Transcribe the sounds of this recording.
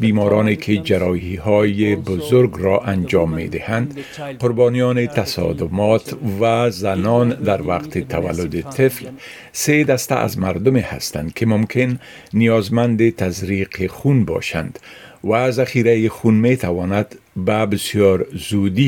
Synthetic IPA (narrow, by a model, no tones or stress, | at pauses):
bimɔɾʔɔnekʰed͡ʒaɾɔhihɔjebʊzʊɾɡɾɔʔand͡ʒɒmːḛd̪ɪhand̪ | qʊɾbɔnijɔnɪt̪asɔ̰d̪ʊmɔt̪vazanɔnd̪aɾwaqt̪ɪt̪ʰawa̰lːʊd̪ɪt̪ʰɪfl | sed̪ast̪a̰ʔa̰zmaɾd̪ʊmeha̰st̪a̰nd̪kʰɪmʊmkʰɪnː | ijɒzmand̪ɪt̪azɾiqʰexunbɒ̰ʃa̰nd̪wazaxiɾajɪxunmet̪ʰawɔnad̪babɪsjɒɾzud̪i